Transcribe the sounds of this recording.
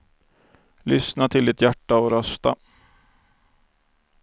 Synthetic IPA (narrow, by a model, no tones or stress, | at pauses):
lʏsnat̪ʰɪld̪ɪt̪jæʈːaɔɾœst̪a